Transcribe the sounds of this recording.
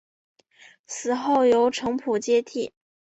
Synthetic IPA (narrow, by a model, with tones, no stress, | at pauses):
sɹ̩˨˩xo˥˩ʊjo˧˥ʊʈ͡ʂʰɤ˧˥ŋpʰu˨˩t͡ɕjɛ˥t̪ʰi˥˩